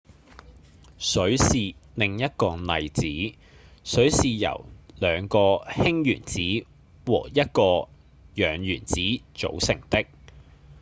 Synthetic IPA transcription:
sɵ˨˥ɥsiː˨lɪ˨ŋjɐ˥t̚kɔː˧nɐ˨jt͡siː˨˥ | sɵ˨˥ɥsiː˨jɐ̰˨˩wlœː˨˧ŋkɔː˧hɪ˥ŋjyː˨˩nt͡siː˨˥ | wɔ̰ː˨˩jɐ˥t̚kɔː˧ | jœː˨˥ŋjyː˨˩nt͡siː˨˥t͡so̰˨˥wsɪ˨˩ŋt̪ɪ˥k̚

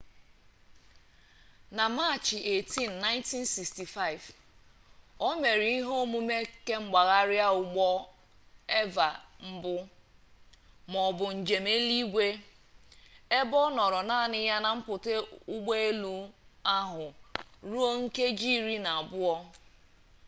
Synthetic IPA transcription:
na˨ma˦˨t͡ʃɪ˨ʔe˨ti˦n̩˨nːa˦ɪ̃˦nti˦nsi˨ksti˨fa˦˨ɪ˨v | o˦me˨ɾi˨i˦ɦo˦mu˦me˦ke˦ŋ͡m̩˦ɡ͡ba˨ɣa˦ɾja˦ʊ˨ɡ͡bɔ˦ | e˦va˨m̩˦bʊ˦ | mɔ˨bʊ˨n̩˨d͡ʒe˨me˦li˦ɡʷe˦ | e˦bɔ˦nɔ˨ɾɔ˨naː˦˨nɪ˦ja˦na˨m̩˦pʊ˨te˦ʊ˦ɡ͡bo˦e˦lu˦a˦ɦʊ˨ɾu˦o˦ŋ̩˦ke˦d͡ʒi˦ɾi˦na˨a˨bʊ˦ɔ˦

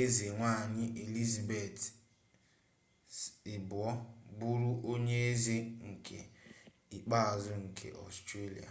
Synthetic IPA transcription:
e˦ze˨ŋʷa˦˨ɲɪ˦ʔe˨li˦za˨be˨t | ɪ˨bʊ˨ɔ˦bʊ˦ɾu˦ʔo˦ɲe˦e˦ze˦ŋ̩˨kʰḛ˨ | i˨k͡pa˦a˨zʊ˦ŋ̩˨kʰḛ˨ʔɔ̰˨stɾe˦lḭ˨a̰˨

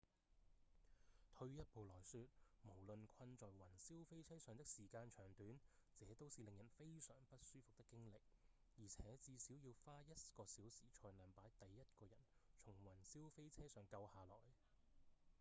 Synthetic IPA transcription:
t̪ʰɵ˧ɥjɐ˥t̚po˨wlɔː˨˩jsyː˧t̚mo˨˩wlɵ˨nkʰɐ˧nt͡sɔː˨jwɐ˨˩nsiː˥wfe˥jt͡sʰɛː˥sœː˨˧ŋt̪̬ɪ˥k̚siː˨˩kaː˧nt͡ʃʰœː˨˩ŋt̪yː˨˥nt͡sɛː˨˥t̪o˥wsiː˨lɪ˨ŋjɐ˨˩nfe˥jsœː˨˩ŋpɐ˥t̚syː˥fʊ˨k̚t̪ɪ˥kːɪ˥ŋlɪ˨k̚ | jiː˨˩t͡sʰɛː˨˥t͡siː˧si˨˥wjiː˧wfaː˥jɐ˥t̚kɔː˧siː˨˥wsiː˨˩t͡ʃʰɔː˧jlaː˨˧mpaː˨˥jt̪ɐ˨jːɐ˥t̚kɔː˧jɐ˨˩nt͡ʃʰʊ˨˩ŋwɐ˨˩nsiː˥wfe˥jt͡sʰɛː˥sœː˨˩ŋkɐ˧whaː˨˧lɔː˨˩j

